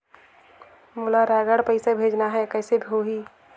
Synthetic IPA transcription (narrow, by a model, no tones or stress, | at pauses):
mʊlaɾɛːɡəɽpəɪsebʱeːd͡ʒnaɦɛkɛːsebʱiɦoɦiː